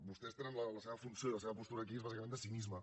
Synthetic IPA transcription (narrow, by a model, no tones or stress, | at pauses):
bust̪ɛst̪enənlələseβəfunsjoiləseβəpust̪uɾəːk̬iezβazikəmẽnd̪əsimizmə